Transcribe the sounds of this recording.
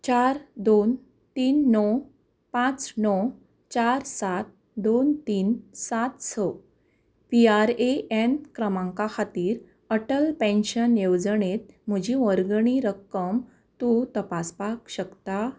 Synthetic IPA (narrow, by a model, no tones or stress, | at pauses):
t͡ɕaɾd̪on | t̪iːnːɔ | pãt͡snɔ | t͡ɕaɾsat̪̚ | d̪ont̪iːnsat̪sɔ | piaɾeʔenkɾəmãŋkakʰat̪iːɾ | əʈəlpẽnɕənjewd͡zəɳet̪̚m̤əd͡ʑiʋəɾɡɳiɾəkːəm | t̪ũt̪əpaspakɕəkt̪a